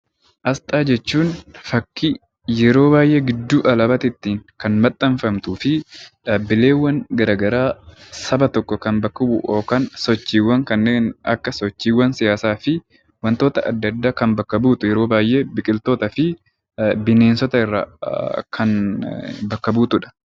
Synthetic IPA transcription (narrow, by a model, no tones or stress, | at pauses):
ʔɐst̪ʼaːd͡ʒɛt͡ʃːuːnfɐkːi | jɛɾo̞ːbaːjʔe̞ːɡɪd̪ːuːʔɐlɐbɐt̪ɪt̪ːiːŋkɐnmɐt̪ʼːɐɱfɐmt̪uːfɪᶑaːbːɪle̞ːwːɐnɡɐɾaːɡɐɾaːsɐbɐt̪ɔkːɔkɐnbɐkːɐbʊ̰ʔoːkansɔt͡ʃːiːwːɐŋkɐnːeːnɐ̰kːɐsɔt͡ʃːiːwːɐnsɪjaːsaːfɪ | wɐnt̪o̞ːt̪ɐʔɐd̪ːɐd̪ːaːkɐmbɐkːɐbuːt̪ʊjɛɾoːbaːjʔe̞ːbɪkʼɪlt̪oːt̪ɐfɪ | bɪne̞ːnsɔt̪ɐɪrːa̰ːkʰɐn | bɐkːɐbuːt̪ʊᶑɐ̥